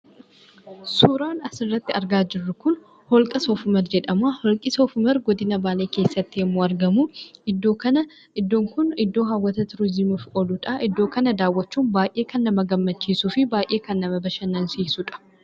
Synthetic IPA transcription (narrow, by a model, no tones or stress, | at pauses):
suːɾaːnɐsɪrːɐt̪ːɪɐɾɡaːd͡ʒɪrːʊkʊn | hɔlkʼɐsɔfʊmɐɾd͡ʒɛᶑɐmaːhɔlkʼɪsɔfʊmɐɾɡɔd̪ɪnɐbaːle̞ːke̞ːsːɐt̪ːɪjɛmːoːɐɾɡɐmuɪd̪ːoːkɐnɐ | ɪd̪ːoːŋkʊnɪd̪ːo̞ːɦɐwːɐt̪ɐt̪ɪɾʊzimuːfɔlʊᶑaʔɪd̪ːo̞ːkɐnɐd̪aːwːɐt͡ʃːuːnbaːjʔe̞ːkɐnːɐmɐɡɐmːɐt͡ʃːiːsuːfɪbaːjʔe̞ːkɐnːɐmɐbɐʃɐnːɐnsiːsʊᶑɐ̥